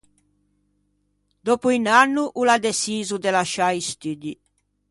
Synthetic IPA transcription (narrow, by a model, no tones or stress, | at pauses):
d̪ɔpuinanːuʔulad̪esiːzud̪elaʃaist̪yd̪i